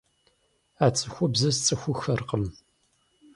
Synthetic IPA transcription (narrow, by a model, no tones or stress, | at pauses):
aːt͡sʼɨxʷʊbzɨzt͡sʼɨxʷʊxɐrqəm